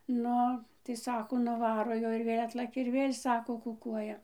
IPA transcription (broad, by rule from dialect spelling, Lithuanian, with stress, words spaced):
ˈnʊ tɐɪ ˈsɑːkoː nʊˈʋɑːroː ˈjoːj ɪr ˈʋʲeːlʲ ˈɑːtlˠɐkʲɛ ɪr ˈʋʲeːlʲ ˈsɑːkoː kʊˈkuɔjɛ